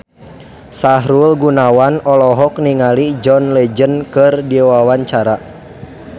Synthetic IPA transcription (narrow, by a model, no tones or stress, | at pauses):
saɦɾulɡunawanɔlɔɦɔk̚niŋalid͡ʒɔnlɛd͡ʒənkɨrdiwawaɲt͡ʃaɾa